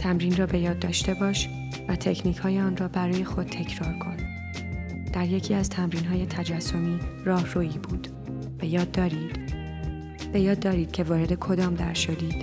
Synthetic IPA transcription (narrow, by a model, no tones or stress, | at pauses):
t̪ʰæmɾiːnrɒːbe̞jɒːd̪̚ːɒːʃt̪e̞bɒːʃ | væt̪ʰecʰniːcʰhɒːjeɒːnrɒːbæɾɒːje̞xo̞d̪̥̚t̪ʰe̞cʰɾɒːɾkʰo̞n | d̪̥æɾje̞cʰiːæzt̪ʰæmɾiːnɦɒːje̞t̪ʰæd͡ʒæsːomiːrɒːhɾoːiːbuːd̪̥ | b̥e̞jɒːd̪ːɒːɾiːd̪̥ | b̥e̞jɒːd̪ːɒːɾiːd̪̥̚cʲʰe̞vɒːɾe̞d̪e̞kʰo̞d̪ɒːmd̪æɾʃod̪iːd̪̥